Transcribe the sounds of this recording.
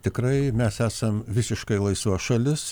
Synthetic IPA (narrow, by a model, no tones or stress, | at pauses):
t̪ʲɪkrɐɪmʲɛsæːsɐmʋʲɪsʲɪʃkɐɪlˠɐɪsuɔʃɐlʲɪs